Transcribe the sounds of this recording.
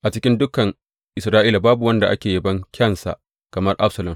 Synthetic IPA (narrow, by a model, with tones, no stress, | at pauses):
ʔa˨t͡ʃɪ˦kʲɪ˦ndʊ˦kɐ˨ŋ | ʔɪ˨sɾaː˦ʔiː˦la˨baː˦bu˨wɐ˦nda˨ʔa˦kʲeː˨jɐ˦bɐ˦ŋkʲɐ˦˨nsa̰˨ | kɐ˨mɐ˦rʔa̰˦ɸsɐ˨lɐ˨m